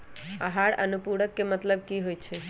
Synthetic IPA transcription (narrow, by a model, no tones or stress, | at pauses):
aɦaɭə̰nupuɽəkːemət̪ləb̚kiɦojt͡ʃʰe